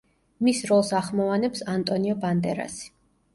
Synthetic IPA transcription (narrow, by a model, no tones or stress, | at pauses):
misɾɔlˠsaχmɔvanɛpsant̪ʼɔniɔband̪ɛɾa̰si̥